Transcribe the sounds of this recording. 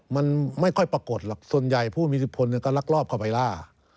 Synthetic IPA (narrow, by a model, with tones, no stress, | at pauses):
ma˧˥nma˥˩jkʰɔ˥˩jpa˧ko˨˩t̪̚la˨˧˩k̚su˨ənja˨˩jpʰuː˥˩miː˧si˧˩p̚pʰo˧nːi˧˨ka˧˩la˧˥k̚lɔː˥˩p̚kʰa˧˩wpa˧˦jlaː˧˥˩